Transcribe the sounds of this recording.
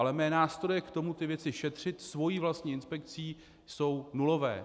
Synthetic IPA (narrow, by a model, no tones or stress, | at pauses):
alɛmɛːnaːst̪ɾojɛkt̪o̞mut̪ɪvjɛt͡sɪʃɛt̪r̝̥ɪt̪svo̞jiːvlast̪ɲiːɪnspɛkt͡siː | so̞wnulo̞vɛ̰ː